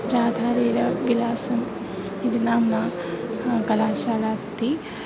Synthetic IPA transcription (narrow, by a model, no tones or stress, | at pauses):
ɾaːd̪ʱaːɾiːɾɐʋilaːsɐm | id̪inaːmna | kɐlaːʃaːlaːst̪i